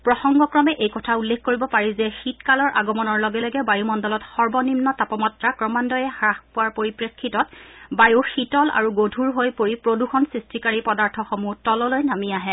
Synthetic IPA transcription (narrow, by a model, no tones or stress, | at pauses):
pɹɔxɔŋɡɔkɹɔmɛʔejkɔtʰaulːekʰkoɹibɔpaɹizɛxitkalɔɹʔa̰ɡɔmɔnɔɹlɔɡɛlɛɡɛbajumɔndɔlɔtxɔɹbɔnimnɔtapɔmɔtɹakɹɔmandɔjɛhɹaxpuwaɹpoɹipɹekʰːitɔt̚bajuxitɔla̰ɹuɡodʱuɹɦojpoɹipɹoduxɔnsɹistikaɹipɔdaɹtʰɔxɔmutɔlɔlojnamiaɦɛ